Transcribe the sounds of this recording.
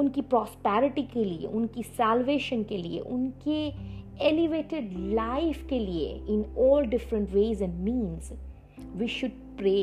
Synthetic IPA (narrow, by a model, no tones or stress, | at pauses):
ʊnkipɾɔːspɛːɾɪʈikeliḛʔʊnkisɛːlʋeːʃə̃nkelḭḛʔʊnkeɛlɪʋeːʈɪɖlaɪfkeliḛɪ̃nɔːlɖɪfɾə̃ɳʈʋeːzɛ̃ɳɖmĩːnz | ʋiːʃʊɖ̚ | pɾeː